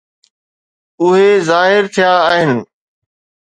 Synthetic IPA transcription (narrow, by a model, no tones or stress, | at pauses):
ʊɦezaːɦɪɾt̪ʰijaːɦɪnɪ̆